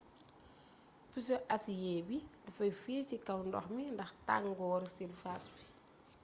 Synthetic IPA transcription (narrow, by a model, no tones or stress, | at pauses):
pis̬ɔʔɐsjɛːbidufɐjfiːcikɐwndɔ̰xmindɐxta̰ŋɡɔːɾsilfasbi